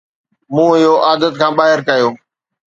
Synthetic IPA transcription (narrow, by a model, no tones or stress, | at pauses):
mũːɪɦoʔaːd̪ət̪kʰãːɓaːɦɪɾkɐjoː